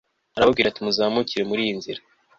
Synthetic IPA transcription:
aɾaβabɡiːɾatimuzaːmuciɾe̞muɾijinziɾa

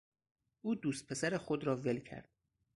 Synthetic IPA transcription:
ʔuːd̪uːst̪̚pʰe̞sæɾexod̪ɾɒːve̞lcʰæ̰ɾd̪̥̚

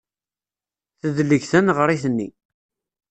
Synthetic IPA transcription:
θəðlːəçθənʁəɾˤiθənːi

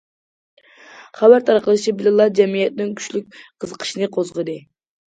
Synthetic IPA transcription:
χæbæɾt̪ʰɑɾqəlˠɨt͡ʃʰibɪlɨlˠɑd͡ʒɛmijɛt̪nɪŋkʲʰy̥ʃlyk̚ʲqʰəzəqʰə̥ʃinɨqʰozʁəd̪ɨ

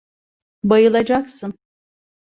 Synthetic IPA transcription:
bajɯlˠad͡ʒaksɯn

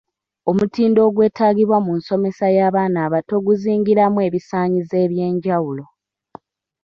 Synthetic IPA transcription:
o̞mutiːndo̞ːɡwe̞ːtaːɡiβwamunso̞me̞sajaːβaːnaːβato̞ɡuziːŋɡiɾamue̞βisaːɲize̞ːβje̞ːɲɟawulo̞

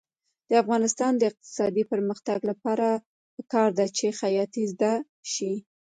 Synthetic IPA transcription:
d̪̥əafɣɑnɪst̪ɑnd̪əɪq̚t̪ɪ̥sɑd̪ipəɾməxt̪aɡlapɑɾa | pəkɑɾd̪at͡ʃexajɑt̪izd̪a | ʃi

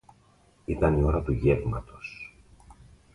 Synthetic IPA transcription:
it̪ɐnio̞ɾɐt̪uʝe̞vmɐt̪o̞s

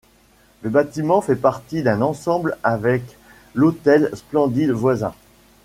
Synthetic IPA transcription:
ləbat̪imɑ̃fɛpaʁt̪id̪ɛ̃nɑ̃sɑ̃blavɛk | lot̪ɛlsplɑ̃d̪id̪vwazɛ̰̃

